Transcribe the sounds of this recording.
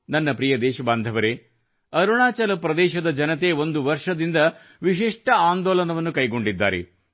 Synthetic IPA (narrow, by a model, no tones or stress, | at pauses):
nɐnːɐpɾijɐd̪ɛːʃɐbaːnd̪ʱɐʋɐɾe | ɐɾuɳaːt͡ʃɐlɐpɾɐd̪ɛːʃɐd̪ɐd͡ʒɐnɐt̪e̞ːo̞nd̪uʋɐɾʂɐd̪ind̪ɐ | ʋiʃiʂʈɐaːnd̪ɔːlɐnɐʋɐnːukɐjɡo̞ɳɖid̪ːa̰ːɾḛ